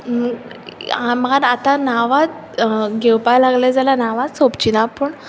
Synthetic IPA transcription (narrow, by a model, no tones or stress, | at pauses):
amaɾat̪anaʋat̪ | ɡʱɛwpajlaɡlɛd͡zalanaʋat̪sopt͡ɕinapəɳ